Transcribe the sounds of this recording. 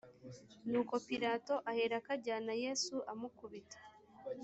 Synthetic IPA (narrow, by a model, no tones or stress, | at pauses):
nuːko̞piɾaːto̞ʔaheɾakaɟaːnaje̞ːsuʔamukuβitḁ